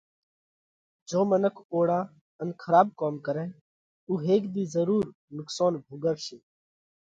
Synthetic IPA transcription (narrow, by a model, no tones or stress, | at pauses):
d͡ʒoːmənəkʰoːɽaː | ənkʰəɾaːb̚koːmkəɾɛ̃ː | uːɦeːkd̪iːzəɾuːɾ | nʊksaːnbʱʊɡəʋʃeː